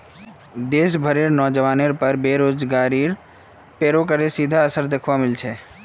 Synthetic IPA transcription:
d̪eːs̬bʱəɾeːɾnɔːd͡ʒəʋaːneɾpəɾbeːɾoːd͡ʒɡaːɾiɾ | peːɾokəɾesiːd̪ʱaəsəɾd̪ekʰʋamɪlt͡ʃʰeː

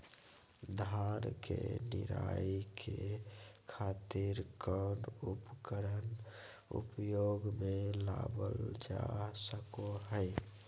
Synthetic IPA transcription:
d̪ʱaɾkeniɾa̰ikʰekʰat̪iɾkənupkəɾən | ṵpjoɡmelabəld͡ʒasəkoɦəɪ

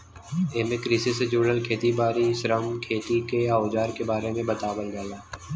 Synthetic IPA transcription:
eːmẽkɾisesed͡ʒuːɽəlkʰeːt̪ibaːɾisɾəmkʰeːt̪ikeaːoːd͡ʒaːɾkebaːɾemẽbɐt̪aːbəlɡ̪aːjaː

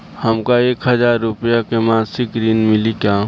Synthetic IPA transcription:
hɐmkaeːkɦəzaːɾːʊpijakemãːsɪkɾiːnmɪlikaː

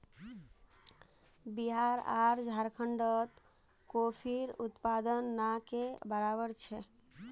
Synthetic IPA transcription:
biɦaɾa̰ɾd͡ʒʱaɾkʰəɳɖət̪ | kopʰiɾut̪pad̪ənːakebəɾabəɾt͡ʃʰɛ

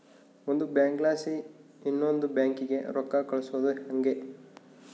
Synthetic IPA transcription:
ond̪ubaːŋklaːsi | inːo̞nd̪ubjaːŋkiɡe̞̰ɾɔkːakɐɭusuʋod̪uhɐŋɡe

